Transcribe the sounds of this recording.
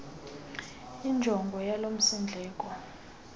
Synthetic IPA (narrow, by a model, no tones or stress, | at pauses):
ind͡ʒʱɔŋɡʱɔjalom̩sind͡ɮʱɛːkʼɔ